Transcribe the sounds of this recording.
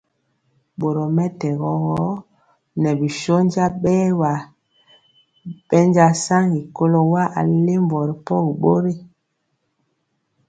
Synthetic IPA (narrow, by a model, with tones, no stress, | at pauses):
ɓo˨ɾo˨mɛ˦tɛ˨ɣɔ˨˦ɣɔ˦ | nɛ˨bi˨ʃo˦n˦d͡ʒa˦ɓɛː˦wa˨ | ɓɛ˦nd͡ʒa˦sa˦ŋi˨ko˦lɔ˦wa˦ʔa̰˨le˦mvɔ˨ɾi˨pɔ˦ɣi˨ɓo˦ɾe˦